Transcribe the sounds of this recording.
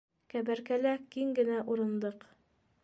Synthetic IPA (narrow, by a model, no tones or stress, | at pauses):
kæbæɾkælækiŋɡɘ̆næʔuɾɤ̆nd̪ɤq